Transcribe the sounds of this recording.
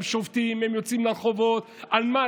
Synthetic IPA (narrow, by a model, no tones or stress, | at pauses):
mʃovt̪imemjot͡simlalχovot̪ | alma